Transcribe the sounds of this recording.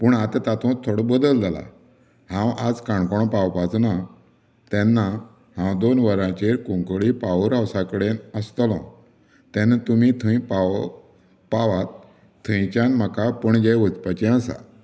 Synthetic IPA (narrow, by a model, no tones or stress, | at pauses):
pəɳat̪ət̪at̪ɔ̃t̪ʰːoɽɔbəd̪əld͡zala̰ | hãwad͡zkaɳkɔɽ̃ɔ̃pawpat͡sna | t̪ɛnːa | hãwd̪onʋəɾãt͡ɕeɾkũŋkɭipaʋɾawsakəɽenəst̪lɔ̰̃ | t̪ɛ̃nat̪umit̪ʰə̃j̃pa | paʋat̪ʰː | ə̃j̃t͡ɕãnm̤əkapəɳd͡ʑɛjʋət͡spat͡ɕẽəsa̰